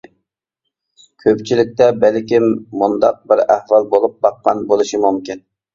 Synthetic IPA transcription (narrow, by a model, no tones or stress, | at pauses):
kʲʰøpt͡ʃʰilɪk̚ʲt̪ɛbælkʲimːund̪ɑq̚bɪɾæhwɑlˠbolˠup̚bɑqːɑnbolˠɨʃimumkʲin